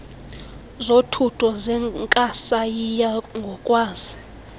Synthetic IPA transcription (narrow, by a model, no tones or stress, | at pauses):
zotʰutʰɔzɛŋkʼasajijaŋɡʱɔkʼwaːzi